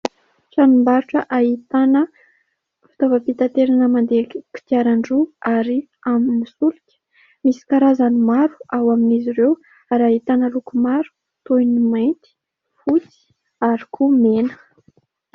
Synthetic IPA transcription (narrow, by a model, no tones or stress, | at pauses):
ʈ͡ʂanimbaɾuʈ͡ʂəʔaɦit̪anə | fu̥t̪avəpit̪at̪eɾanəmand̪ekʲəki̥t̪iaɾaɳɖ͡ʐuaɾi | aminisulukʲə̥ | misi̥kaɾazanumaɾuawaminiziɾew | aɾaɦit̪anəlukumaɾu̥ | t̪ojnimajnt̪i̥ | fut͡si̥ | aɾikʰumenə̥